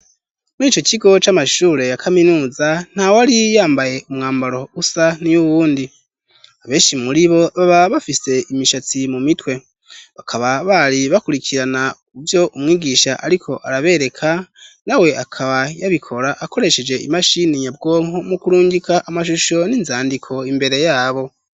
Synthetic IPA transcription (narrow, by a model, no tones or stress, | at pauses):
muniːt͡ʃo̞ciɡo̞t͡ʃamaʃuːɾe̞jakʰaminuːzan̥hawaɾijaːmbaje̞umŋaːmbaɾo̞usanijuβuːndi | aβe̞ːnʃimuɾiβo̞βaβaβafise̞ʔimiʃat͡simumitwe̞ | βakʰaβaβaɾiβakuɾicʰiɾana | uvjo̞ʔumŋiːɡiːʃaʔaɾikʰo̞ʔaɾaβe̞ɾe̞kʰanawe̞ʔakʰaβajaβikʰo̞ɾaʔːko̞ɾe̞ʃe̞d͡ʒe̞imaʃiniɲab̚ɡo̞ːŋɦo̞mukuɾuːɲɟikʰaʔamaʃuʃo̞ninzaːndikʰo̞imbe̞ɾe̞jaːβo̞